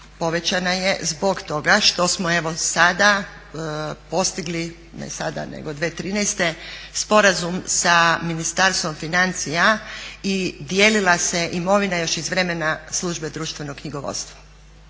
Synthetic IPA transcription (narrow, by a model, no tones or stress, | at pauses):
po̞ʋe̞t͡ɕanaje̞zbo̞ɡt̪o̞ɡaʃt̪o̞smoe̞ʋo̞sad̪a | po̞st̪iɡli | nḛsad̪a̰nḛɡod̪ʋeːt̪ɾiːnɛjst̪e̞spo̞ɾazumsaminist̪aɾst̪ʋo̞mfinant̪sijaid̪jeːlilaseʔimo̞ʋinajo̞ʃizʋɾe̞menaslˠuːʒbed̪ɾuːʃt̪vʋe̞noɡkɲiɡoʋo̰t̪st̪ʋa